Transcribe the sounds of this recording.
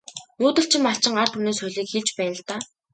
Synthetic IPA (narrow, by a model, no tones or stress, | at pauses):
muːt̪ɘ̆ɬt͡ɕʰɪ̆mːaɬt͡ɕɪ̆ŋar̥t̪uneːsxʊjɮiːkxiɮt͡ɕpæːnə̆ɮt̪aː